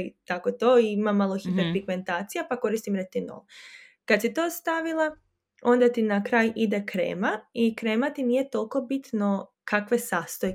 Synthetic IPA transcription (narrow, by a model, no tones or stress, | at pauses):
it̪akot̪oiimamːalˠoxipeɾfɾiɡme̞nt̪aːt̪sijapako̞ɾist̪imɾet̪ino̰l | kad̪sit̪o̞ːst̪aʋilˠa | o̞nd̪at̪inakɾaːjid̪ekɾḛːmaikɾe̞ːmat̪inije̞t̪o̞lˠko̞bit̪no̞ | kakʋe̞saːst̪oje